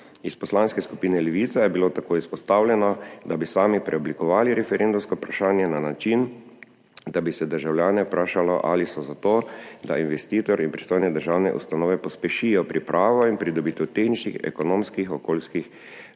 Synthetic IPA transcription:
ispɔslanskɛskupiːnɛlɛʋiːt̪sajɛbilot̪akoːispɔst̪awlʲjɛnɔd̪abisaːmipɾɛɔblikɔʋaːliɾɛfɛɾend̪umskɔpɾaʃaːnjɛnanat͡ʃin | d̪abisɛd̪əɾʒawlʲjaːnɛpɾaːʃalɔʔa̰lisɔzat̪oːd̪ainʋɛst̪iːt̪ɔɾinpɾi̥st̪oːjnɛd̪əɾʒaːwnɛ̰ʔṵst̪anɔːʋɛpɔspɛʃijɔpɾʔipɾʔaːʋɔinpɾid̪ɔbiːt̪ɛwt̪exnit͡ʃnixɛ̰kɔnoːmskixɔkoːlskix

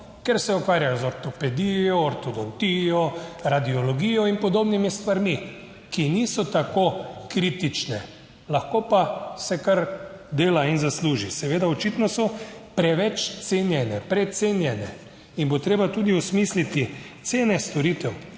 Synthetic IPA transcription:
kɛɾsɛukʋaːɾjajɔzɔɾt̪ɔpɛd̪ijɔːɾt̪od̪ɔkt̪ijɔɾad̪iɔlɔɡiːjɔinpɔd̪oːbnimist̪ʋaɾmi | kinisɔt̪akokɾit̪it͡ʃnɛ | laxkopasɛkaɾd̪eːlainzasluːʒisɛʋeːd̪aɔt͡ʃit̪nɔsɔpɾɛʋɛt͡ʃt̪senjɛnɛpɾɛt̪seːnjɛnɛ̰ | inbot̪ɾeːbat̪uːd̪iɔsmiːslit̪it̪seːnɛst̪ɔɾit̪ɛw

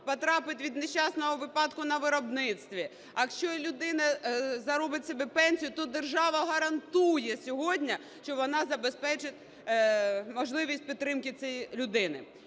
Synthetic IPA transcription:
pɔt̪ɾɑpɪt̪ʲʋʲid̪neʃt͡ʃɑsnɔɦɔʋɪpɑd̪kʊnɐʋɪɾɔbnɪt̪st̪ʋʲi | ɐkʃt͡ʃɔlʲʊd̪ɪnɐzɐɾɔbɪtʲsʲɛbɛpɛnʲsʲijʊt̪ɔd̪erʒɑʋɐɦɐɾɐnt̪ujɛsʲɔɦɔdʲnʲɐ | ʃt͡ʃɔʋɔnɑzɐbespɛt͡ʃɪt̪ʲ | mɔʒlˠɪʋʲisʲt̚ʲpʲid̪t̪t̪ːɾɪmkɪt͡sʲɛjilʲʊd̪ɪnɪ̰

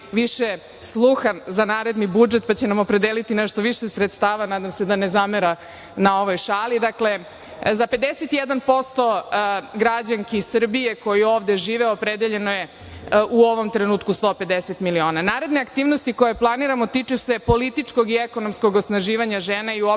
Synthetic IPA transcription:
ʋiʃe | slˠuxanzanaːɾe̞d̪nibud͡ʒet̪pat͡ɕenamo̞pɾe̞d̪elit̪ineʃt̪o̞ʋiʃesɾet̪st̪aːʋanaːd̪amse̞d̪anezameɾa | nao̞ʋojʃaːlid̪akle̞ | zape̞d̪eset̪ijed̪anpo̞st̪o̞ɡɾad͡ʑaŋkeisr̩bije̞ko̞jio̞ːʋd̪e̞ʒiːʋeopɾed̪eʎe̞noje | uo̞ʋo̞mt̪ɾenuːt̪kust̪o̞ːpe̞d̪eset̪milio̞ːnanaːɾe̞d̪neakt̪iːʋnost̪iko̞jeplˠaniɾamo̞t̪it͡ʃuse̞po̞lit̪it͡ʂkoɡieko̞nomsko̞ɡosnaʒiːʋaɲaʒeːnaiuo

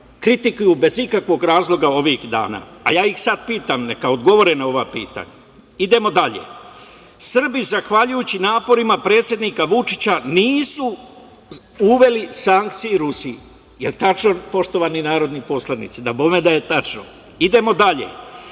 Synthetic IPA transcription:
kɾit̪ikujube̞zikakʋo̞ɡɾaːzlˠo̞ɡao̞ʋixd̪a̰ːna̰ːa̰jaːjixsad̪̚piːt̪amne̞kao̞d̪ɡo̞ʋo̞ɾenao̞ʋapḭːt̪a̰ɲa | id̪e̞mo̞d̪aʎḛ | sr̩bizaxʋaʎujut͡ɕinaːpo̞ɾimapɾeːt̪sje̞d̪nikaʋut͡ʂi̥t͡ɕaniːsu | uʋe̞lisaŋk̚t̪sijiɾusii | jelt̪at͡ʃno̞po̞ʃt̪o̞ʋaninaːɾo̞d̪nipo̞slˠanḭt̪sid̪abome̞d̪aje̞t̪at͡ʃno̰ | id̪e̞mo̞d̪aʎḛ

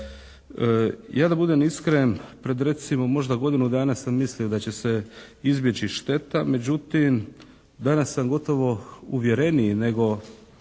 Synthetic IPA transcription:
jʔaːd̪abud̪emiskɾempɾe̞d̪ɾe̞t̪simo̞mo̞ʒd̪aɡo̞d̪inud̪aːnasamːisliod̪at͡ɕe̞se̞ | izbjet͡ɕiʃt̪e̞t̪ame̞d͡ʑut̪im | d̪anasːamɡo̞t̪o̞ʋo̞uʋje̞ɾe̞nine̞ɡo̞

